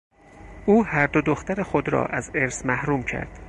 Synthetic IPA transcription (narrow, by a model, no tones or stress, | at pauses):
ʔuːhæɾd̪od̪oxt̪æɾe̞xod̪ɾɒ̰ːʔæze̞ɾsmæhɾuːmcʰæ̰ɾd̪̥